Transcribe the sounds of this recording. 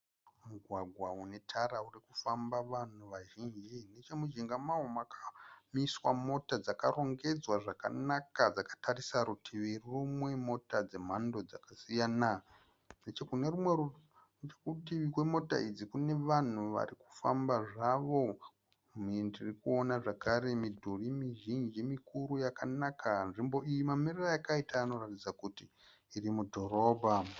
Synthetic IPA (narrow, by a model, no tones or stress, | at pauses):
muɡʱwaɡʱwaune̞tʰaɾaurikufambaʋan̤uʋaʒiːnd͡ʒine̞t͡ʃe̞mud͡ʒiŋɡamaɦomakʰamiswamo̞tad͡zakaro̞ŋɡe̞d͡zwaʐaka̰nakad͡zakḁtʰarisaɾutʰiʋirrumwe̞mo̞tad͡ze̞m̤ando̞d͡zakasijaːna | net͡ʃekune̞rumweru | net͡ʃekutiʋikwe̞mo̞ta̰id͡zikune̞ʋan̤uʋa̰ɾiku̥fa̰mbaʐaʋo̞ | mindirikuonaʐakaɾe̞midʱurimiʒind͡ʒimikuɾujakanakʰanʐimbo̞ijimamirirajakaitaːno̞ratid͡zakutiː | rimudʱo̞ɾo̞ːbʱa